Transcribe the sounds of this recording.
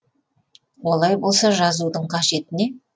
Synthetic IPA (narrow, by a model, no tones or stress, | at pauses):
wo̞lˠɑjbo̞lˠsɑʒɑzud̪əɴqʰɑʒe̞t̪ɪne̞